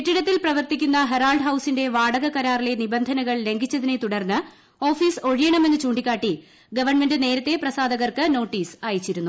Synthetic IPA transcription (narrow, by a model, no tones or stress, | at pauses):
etːiɽɐt̪ːilprɐʋɐrt̪ikʲːunːɐɦeraːlɖɦɐwsinde̞ʋaːɽɐɣɐkɐɾaːrile̞nibɐnd̪ʱɐnɐɣɐɭle̞ŋɡʱit͡ɕːɐðinet̪uɽɐrnːɨ | o̞ːfiːso̞ɻijɐɳɐme̞nːɨt͡ɕuːɳɖikʲːaːʈːi | ɡɐʋɐrɳme̞ndɨne̞ːɾɐt̪ːe̞prɐsaːd̪ɐɣɐrkɨno̞ːʈːiːsaːjit͡ɕːiɾunːu